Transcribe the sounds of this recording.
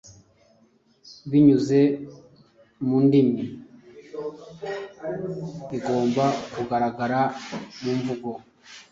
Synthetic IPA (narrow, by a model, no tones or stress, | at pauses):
βiɲuze̞ | mundimi | βiɡo̞ːmbakuɡaɾaɡaɾamuɱvuɡo̞